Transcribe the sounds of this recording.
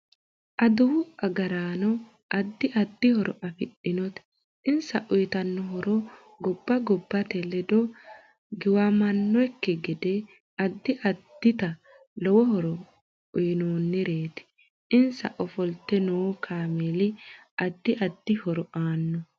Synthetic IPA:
ʔɐd̪ʊwʊɐɡɐɾaːnɔ | ʔɐd̪ːɪʔɐd̪ːɪhɔɾʔɔ̰ʔɐfɪɗɪnɔt̪ | ʔɪnsɐʔʊjt̪ɐnːɔɦɔɾɔ | ɡɔbːɐɡɔbːɐt̪ɛlɛd̪ɔ | ɡɪwɐmɐnːɔɛkːɪɡɪd̪ɛ | ɐd̪ːɪʔɐd̪̥ːɪt̪ɐ | lɔwɔhɔɾɔ | ʊjɪnoːnːɪɾe̞ːt̪ɪ̥ | ɪnsɐ̰ʔɔfɔlt̪ːɛnoːkʰaːmeːlɪ | ʔɐd̪ːɪʔɐd̪ːɪhɔɾɔʔaːnːɔ

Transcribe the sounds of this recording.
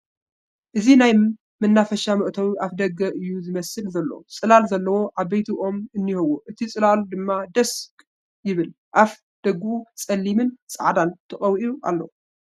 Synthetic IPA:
ʔɨzinaj | mɨnːafɐʃamɐʔt̪ʰɐwiʔafd̪ɐɡːɐʔɨjːuzɨmɐsɨlzɐlːɐ̰wt͡sʼɨlalzɐlːɐwo̞ʕaβɐjt̪ʰiʔo̞mɨnːihowoʔɨt̪ʰit͡sʼɨlalud̪ɨmːad̪ɐskʼ | jɪβɨl | ʔaf | d̪̥ɐɡːɨʔut͡sʼɐlːimɨnsʼa̰ʕd̪ant̪ʰɐχʼɐwʔiluʔa̰lːɐ̰w

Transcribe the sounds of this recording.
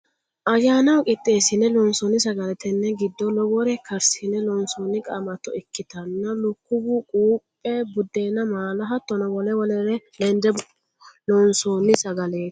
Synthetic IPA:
ʔɐjːaːnɐwkʼɪt̪ʼːe̞ːsɪnːɛlɔnsɔnɪsɐɡɐlɛt̪ɛnːɛɡɪd̪ːɔlɔɡɔɾɛkʰɐɾsɪnɛlɔnsoːnːɪkʼɐmɐt̪ɔɪkːɪt̪ɐnːɐlʊkːʊbʊkʼuːpʼːɛbʊd̪ːe̞ːnːɐmaːlɐɦɐt̪ːɔnɐwɔlɛwɔlɛɾɛlɛnd̪ɛ | lɔnsoːnːɪsɐɡɐleː

